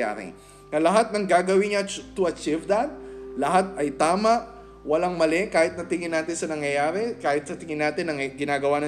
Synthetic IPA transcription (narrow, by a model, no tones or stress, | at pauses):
a̰ːɾɪ̰ | ŋɐlɐɦat̪̚nɐŋɡaːɡɐwɪŋɐt̪ʊɐt͡ʃivd̪ɐt̪̚lɐhat̪̚ʔɐjt̪aːmɐʔ | wɐlaŋmɐlɛkaːhɪt̪nɐt̪ɪŋɪnaːt̪ɪnsɐnɐŋjɐjaːɾɛkaːhɪt̪̚sɐt̪ɪŋɪnaːt̪ɪnɐŋɡɪnaːɡɐwanɐ